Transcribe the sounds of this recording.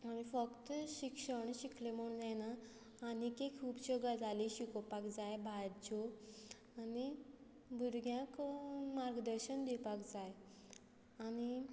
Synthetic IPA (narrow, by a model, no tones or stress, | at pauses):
añifəkt̪ɕikʂəɳɕiklemuɳd͡zanaː | nikekʰuːbɕəɡad͡zaliɕikopakd͡zajbʱad͡ʑo | ani | bʱuɾɡjãkmaɾɡd̪əɾɕəɳd̪ipakd͡zaj | añi